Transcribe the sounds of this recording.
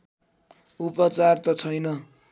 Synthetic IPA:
upʌt͡sart̪ʌt͡sʰʌjnʌ

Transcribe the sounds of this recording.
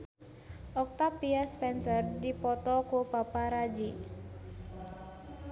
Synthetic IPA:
ʔɔk̚t̪apiaspɛnsərdipɔt̪ɔkobapaɾad͡ʒi

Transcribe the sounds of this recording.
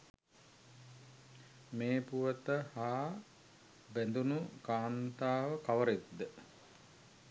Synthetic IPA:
meːpuʋət̪əhaː | bænd̪unukaːnt̪aːʋəkaʋəɾed̪ːə

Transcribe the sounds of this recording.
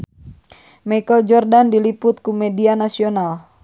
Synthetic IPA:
majkəld͡ʒɔrdandilipʊt̪̚kumɛdianasional

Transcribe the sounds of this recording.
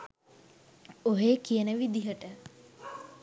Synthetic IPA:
oɦeːkijənəʋid̪iɦəʈə

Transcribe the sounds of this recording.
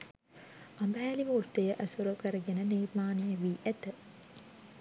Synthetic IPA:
ɐmbæɦæːliʋurt̪ejəʔæsuɾokəɾəɡenənirmaːnijəʋiːʔæt̪ə

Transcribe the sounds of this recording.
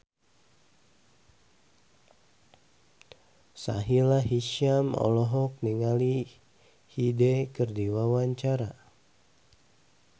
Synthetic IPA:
sa̰ɦilaɦiʃamɔ̰lɔɦɔk̚niŋali | hidekərdiwawaɲt͡ʃaɾa

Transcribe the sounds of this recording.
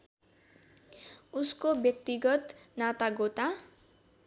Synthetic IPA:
uskobjʌk̚t̪iɡʌt̪nat̪aɡot̪a

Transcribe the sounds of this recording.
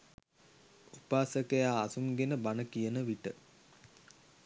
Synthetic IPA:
upaːsəkəjaːsuŋɡenəbanəkijənəʋiʈə

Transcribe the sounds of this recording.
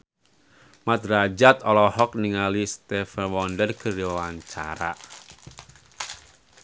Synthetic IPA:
mat̪̚rad͡ʒat̪ɔlɔhɔk̚niŋalist̪ɛfanwɔndərkəɾiwaɲt͡ʃa̰ɾa̰

